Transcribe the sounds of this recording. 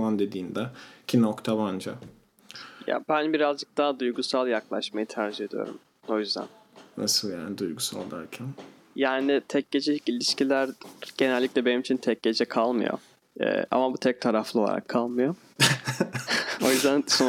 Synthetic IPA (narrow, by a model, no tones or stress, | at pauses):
mand̪ed̪iːnd̪ɛcʰinokt̪ʰaband͡ʒa̰ | ja̰bænbiɾazd͡ʒɯk̚t̪aːad̪ujɡusalˠjaklˠaʃmajɯt̪ʰaɾd͡ʒiɦe̞d̪ḭjo̞̰ɾum | o̞jyzd̪æ̰n | na̰sɯlˠja̰ːnid̪ujɡusa̰lˠd̪æ̰ɾcʰæn | jaːnɪt̪ʰɛc̚ɟe̞d͡ʒɛlʲicilʲiʃcilʲæɾɟ̥e̞nælʲːicʲlʲɛbenimit͡ʃʰint̪ʰɛc̚ɟe̞d͡ʒɛkʰalˠmɯ̰jo̰ | ɛ̰ʔa̰mabut̪ʰɛc̚t̪ʰaɾaflˠɯoa̰a̰kʰːalˠmɯjo | o̞jyzd̪ænso